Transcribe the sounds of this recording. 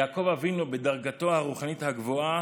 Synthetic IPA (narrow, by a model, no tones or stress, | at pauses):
aːko̞vavinubed̪aʁɡat̪o̞haʁuχanit̪haɡvoa